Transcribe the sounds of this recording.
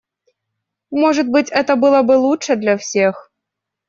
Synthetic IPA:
mɔʐɐd̪̚bɨt͡sʲɛt̪ɐbɨlˠɐbɨlˠut͡ʂɛd̪lʲɐwsʲɛx

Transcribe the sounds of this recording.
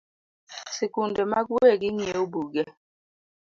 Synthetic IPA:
sikundɛmaɡweɡiŋieubuɡɛ

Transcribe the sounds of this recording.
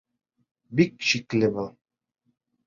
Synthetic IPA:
bikʃiklʲɘbɤlˠ

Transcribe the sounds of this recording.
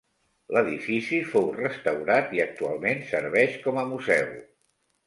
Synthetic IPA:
ləðifisifowrəst̪əwɾat̪iək̚t̪ua̰lˠmensəɾβɛʃkɔməmuzɛw

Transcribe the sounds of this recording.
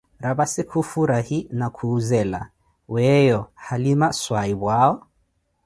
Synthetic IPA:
ɾaβasikufuɾahinakʰuːzɛla̰ | wɛjɔhalimaswaiβwaɔ

